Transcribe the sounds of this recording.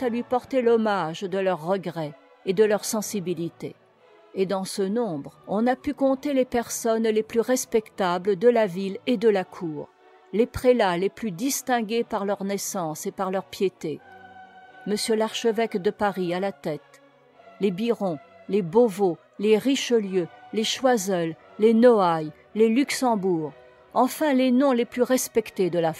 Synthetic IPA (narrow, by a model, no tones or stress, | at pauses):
t̪alɥipɔʁt̪elɔmaʒd̪əlœʁːəɡʁɛ | ed̪əlœʁsɑ̃sibilit̪ḛ | ed̪ɑ̃sənɔ̃bʁɔ̃napykɔ̃t̪elepɛʁsɔnleplyʁɛspɛkt̪abləd̪əlaviled̪əlakʰuːʁ | lepχelaleplyd̪ist̪ɛ̃ɡʲepaʁlœʁnɛsɑ̃sepaʁlœʁpjet̪e | məsjølaʁʃəvɛkd̪əpaʁialat̪ɛt̪ | lebiʁɔ̃ | lebovo | leʁiʃəljøleʃwazɛlː | enɔaj | lelyksɑ̃buːʁ | ɑ̃fɛ̃lenɔ̃leplyʁɛspɛkt̪ed̪əla